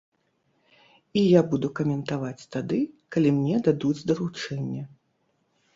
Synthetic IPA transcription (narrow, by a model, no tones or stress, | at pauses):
ijabud̪ukɐmʲɛnt̪avat͡sʲt̪ad̪ɨkalʲimnʲɛd̪ad̪ud͡zʲd̪ɐɾut͡ʂɛnʲːɐ